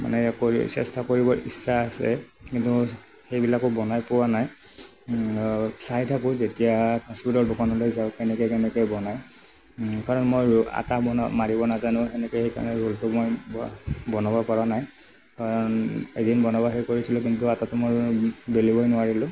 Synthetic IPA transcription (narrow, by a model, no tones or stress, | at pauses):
ma̰nɛkosɛ̰stakoɹibɔɹʔḭsaːsɛ̰ | kintu | xejbilakʊbɔnajpʊwanaj | sajtʰakʊzetijakɔspitɔɹdʊkʰanɔlojzaʊkɛnɛkɔjkɛnɛkɔjbɔnaj | kaɹɔnmoja̰tabɔnmaɹibɔnazanʊ̃xɛnɛkɔhejka̰ɹɔnɛɹultʊmoj | bɔnɔbɔpɔɹanaj | kaɹɔnḛdinbɔnabaɦejkoɹisilɔkintʊatatʊmojbelibɔjnʊaɹilʊ̃